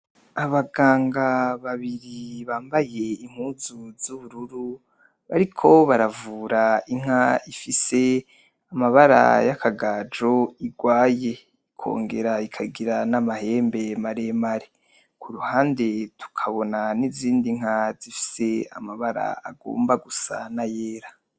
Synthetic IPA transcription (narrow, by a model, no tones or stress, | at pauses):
aβaɡaːŋɡaβaβiɾiβaːmbaje̞im̥huːzuzuβuɾuɾu | βaɾikʰo̞βaɾavuːɾaiŋ̥haifise̞ | amaβaɾa̰jakʰaɡaːd͡ʒo̞iɡwaːje̞ | ikʰo̞̰ːŋɡe̞ɾaikʰaɡiɾanamahe̞ːmbe̞maɾe̞maɾe | kʰuɾuhaːnde̞tu̥kʰaβo̞naniziːndiŋ̥azifi̥se̞a̰maβaɾa̰aɡo̰ːmbaɡusa̰najeːɾa